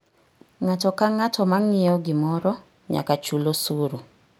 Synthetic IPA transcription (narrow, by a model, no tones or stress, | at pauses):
ŋatɔkaŋatɔmaŋɪɔɡɪmɔɾɔ | ɲa̰kat͡ʃulosuɾu